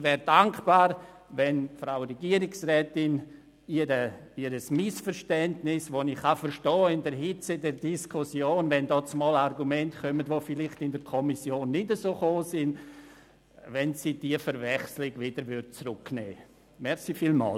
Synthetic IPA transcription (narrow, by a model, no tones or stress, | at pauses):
vɛːɾdaŋkb̥aːɾ | vɛnfɾaʊɾɛɡiːəɾɪksʁɛːtɪn | iɾəiɾəsmɪsfəɾʃtɛndnɪsʋonɪχːafəɾʃtɔːɪndɛɾɦɪt͡sədɛɾdiskʰusjoːnvɛndɔːt͡smɔːlarɡumɛntkʰœmətvofɪlɪχtɪndɛɾkʰɔmisjoːnːɪdəsoːχoːsɪn | vɛnsiːd̥iəfəɾvɛχslɪɡvɪd̥əɾʋʏɾd̚t͡sɾʊkːnɛ̰ː | mɛɾχsifiːlmɑ̰ːl